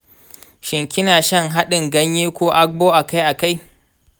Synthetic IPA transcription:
ʃɪ˨ŋkʲɪ˦naː˨ʃɐ˦ŋɦa˦ɗɪ˨ŋɡɐ˦ɲjiː˦kʷoː˦ʔa˦k̚boː˦ʔa˨ka˦jʔa˨ka˦j

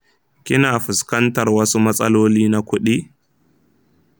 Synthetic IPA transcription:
kʲɪ˦naː˨ɸɪ˨skɐ˦ntɐ˨rwɐ˦su˦mɐ˦sʼɐ˦loː˦liː˦na˦kʷʊ˦ɗiː˦

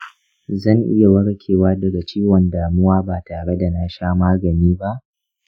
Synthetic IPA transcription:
zɐ˦˨ŋʔɪ̰˦ja˨wɐ˦ɽkʲʰeː˨waː˦dɐ˨ɡa˨t͡ʃiː˦wɔ˨ndaː˨mʊ˦waː˦baː˨taː˨ɽe˦da˨na˦ʃaː˦maː˦ɡɐ˨niː˦ba˦ʔ

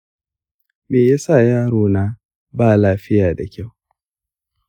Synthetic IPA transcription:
meː˨jaː˦sa˦˨jaː˦ɾoː˨naː˦ | baː˦˨laː˦ɸɪ˦jaː˨da˨kʲa˦˨w

